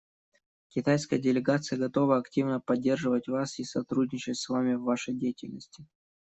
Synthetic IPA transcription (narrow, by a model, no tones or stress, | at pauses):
kʲɪt̪ajskəjədʲɪlʲɪɡat̪sɨjəɡɐt̪o̞vəɐktʲivnəpɐdʲːe̞rʐɨvətʲvasisɐt̪ɾudʲnʲɪt͡ɕɪtʲsvamʲɪvːaʂəjdʲejɪtʲɪlʲnəsʲtʲɪ